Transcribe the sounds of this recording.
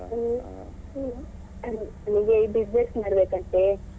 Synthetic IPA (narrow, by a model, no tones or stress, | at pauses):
ɐn | ɐniɡeibid͡ʒnesmaɽbeːkɐɳʈ̪e